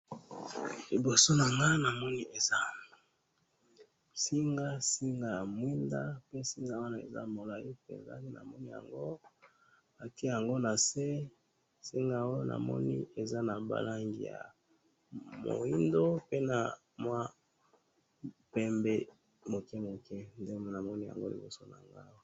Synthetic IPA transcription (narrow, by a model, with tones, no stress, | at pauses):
li˨bo˨so˦na˨ŋɡa˦na˨mɔ˦ni˦e˨za˦ | si˦ŋɡa˦si˦ŋɡa˦ja˨mwi˦nda˦pe˦si˦ŋɡa˦wa˦na˨ḛ˨za̰˦mo˨la˨i˦pḛ˨nza̰˦ni˦na̰˨mɔ˦ni˦ja̰˨ŋɡo˦ | a˨ki˦˨ja˨ŋɡo˦na˨se˦ | si˦ŋɡa˦o˦nʔa̰˨mɔ̰˦ni˦e˨za˦na˨ba̰˨la˦ŋɡḭ˨ja̰˨ | mo̰˨i˦ndo˦pe˦na˨ | mwa˦ | pɛ˦mbe˦ | mo˨kɛ˦mo˨kɛ˦nde˦m˨na˨mɔ˦ni˦ja̰˨ŋɡo˦lḭ˨bo˦so˦na˨ŋɡa˦wo˨